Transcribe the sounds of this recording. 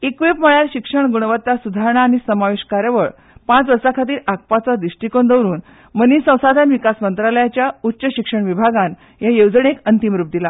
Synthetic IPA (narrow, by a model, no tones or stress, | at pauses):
ekʋipməɭjalɕikʂəɳɡuɳ̃ʋət̪ːasud̪ʱaɾɳ̃aːñisəmaʋeɕkaɾjəʋəɭ | pãt͡sʋəɾsakʰat̪̬iːɾak̚pat͡sad̪iʂʈikond̪əwɾuːn | mənisə̃w̃sad̪ʱanʋikasmənt̪ɾaləjat͡ɕjautːɕəɕikʂəɳʋibʱaɡan | ɦjajowd͡zɳekənt̪imɾuːp̚d̪ila